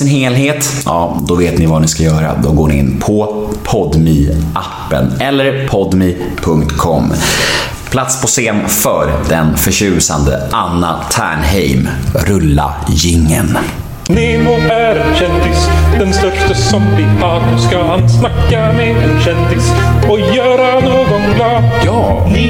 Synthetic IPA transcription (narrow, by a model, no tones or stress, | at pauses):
ɪnheːlɦeːt̪jʔɑːd̪ɔveːt̪nɪvanɪskajœːɾa̰d̪ɔɡoːɳɪɪ̰nːpʰɔpʰɔd̪miʔapːə̰nɛlːəɾpʰɔd̪mi | pʰɵŋkt̪kʰɔmː | pʰlat̪spʰɔseːmfœːɾd̪ɛnfœɕʉ̟ːsa̰nd̪ə̰ʔanːat̪ʰæ̰ːɳɦɛjmɾɵlːa̰ | jɪŋːə̰n | nɪmoæɾɛnɕɛnd̪ɪsd̪̥ɛnst̪œʂʈtəsɔmɪpʰɑːkɔskaansnakːamɛɛnɕɛnd̪ɪs | ɔjœːɾanoːɡɔnlɑjɑː | n